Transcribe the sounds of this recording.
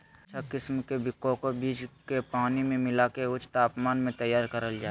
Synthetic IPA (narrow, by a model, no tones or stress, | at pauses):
t͡ʃʰakɪsmkebɪkːõkobiːd͡ʒkepaːnimẽmɪlaːkeʊt͡ʃʰt̪aːpmaːnmẽt̪əjaːɾkəɾəld͡ʒaː